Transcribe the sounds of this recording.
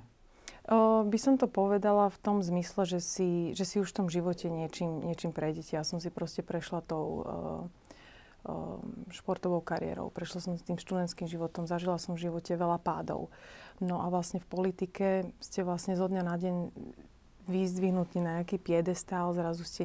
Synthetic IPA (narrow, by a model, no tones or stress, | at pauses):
bisɔmt̪ɔpɔʋɛd̪alaft̪ɔmzmislɛʒɛsiʒɛsiuʃft̪ɔmʒiʋɔcɛɲɪɛt͡ʃiːmɲɪɛt͡ʃiːmpɾɛjɟɛcɛasɔms̬ipɾɔscɛpɾɛʃlat̪ɔʊ | ʃpɔɾt̪ɔʋɔʊkaɾiɪɛ̰ɾɔ̰ʊpɾɛʃlasɔmst̪iːmʃt̪ud̪ɛnt̪skiːmʒiʋɔt̪ɔmzaʒilasɔɱvʒiʋɔcɛʋɛlapa̰ːd̪ɔ̰ʊnɔʔaʋlasɲɛfpɔlit̪ikɛscɛʋlasɲɛzɔd̪ɲanaɟɛɲ | ʋiːzd̪ʋiɦnut̪ninaɲakiːpɪɛd̪ɛst̪aːlzɾazuscɛ